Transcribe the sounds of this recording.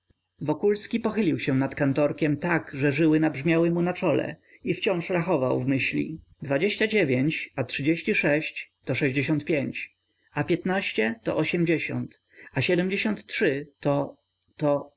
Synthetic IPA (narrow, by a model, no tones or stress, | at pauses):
vɔkulskʲipɔxɘlʲiwɕɛnat̪kant̪ɔɾkʲɛmt̪aɡʐɛʐɘwɘnabʐmʲjawɘmunat͡ʂɔlɛ̰ | ift͡ɕɔ̃w̃ʂɾaxɔvawvmɘɕlʲḭ | d̪vad͡ʑeɕt͡ɕad͡ʑevʲjeɲt͡ɕatʂɨd͡ʑeɕt͡ɕiʂɛɕt͡ɕt̪ɔʂɛʑd͡ʑeɕ̬ɔ̃nt̪̚pʲjeɲt͡ɕ | apʲjɛt̪naɕt͡ɕɛt̪ɔ̰ʔɔɕɛmd͡ʑeɕɔ̰nt̪ | aɕɛd̪ɛmd͡ʑeɕɔnt̪tʂɘt̪ɔ | t̪ɔ